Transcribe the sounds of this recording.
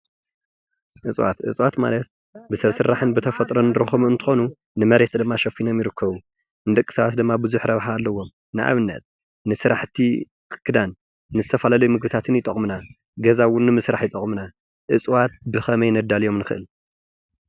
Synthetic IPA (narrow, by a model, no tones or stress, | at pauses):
ʔɨt͡sʼwa̰t̪ʔɨ̰t͡sʼwat̪ma̰lɐt̪̚ | bɨsɐβsɨɾːaħɨnbɨt̪ʰɐfɐt̪ʼɾonɨɾɐxomuɨnt̪ʰɨ̥xo̞nu | nɨmɐɾe̞t̪d̪ɨmːaʃɐfinomjɪɾɨkʰːɐβu | nɨd̪ɐkʼːɨ̥sɐβat̪̚d̪ɨmːabɨzuħɾɐβħaːlːɐwom | nɨʔa̰βɨnːɐ̰t̪̚ | nɨsɨɾaħt̪ʰi | kʰɨ̥kʰːɨd̪anː | ɨzɨt̪ʰɐfɐlalɐjmɨɡbɨt̪ʰat̪ʰɨnjɪt̪ʼɐχʼmɨna | ɡɐzawʊnːɨmɨsɾaħjɪt̪ʼɐχʼmɨna | ʔɨt͡sʼwat̪̚bɨxɐmɐjnɐd̪ːalijo̞mnɨxɨʔɨl